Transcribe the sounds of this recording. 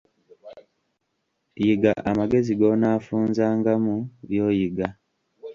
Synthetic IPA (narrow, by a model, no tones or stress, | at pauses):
jiɡaʔamaɡe̞ziɡo̞naːfuːnzaːŋɡamuβjo̞ːjiɡa